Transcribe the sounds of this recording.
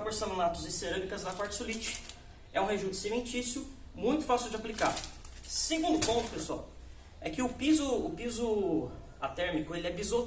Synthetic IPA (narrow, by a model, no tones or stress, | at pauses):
poɾsɐ̃nd̪ʊ̃lat̪ʊzɪseɾɐ̃mikɐzd̪ɐpaɾt͡ʃɪ̥sulit͡ʃɪ̥ | ɛũɦeʒud̪ɪ̥sivẽnt͡ʃisjʊmũj̃t̪ʊ̥fasiwd͡ʒɪaplika̰ɾseɡũnd̪ʊpõnt̪ʊ̥pesua̰w | ɛkɪʊpizʊːpizʊ | at̪ɛɾmikʊelɪɛbizo